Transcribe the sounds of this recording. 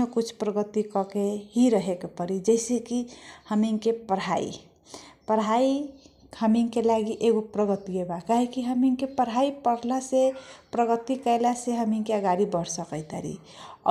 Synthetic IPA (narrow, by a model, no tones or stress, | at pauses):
ə̃kut͡ʃʰpɾəɡət̪ikɔkeɦiɾəɦekepəɾid͡ʒəɪsekihəmiŋkepəɾ̤aḭ | pəɾɦai | həmiŋkelaɡiʔeɡopɾəɡət̪iɡebakaɦekiɦəmiŋkepəɾɦaipəɽ̤lasepɾəɡət̪ikəjlaseɦəminkeəɡaɾibəɽsəkəɪt̪a̰ɾḭ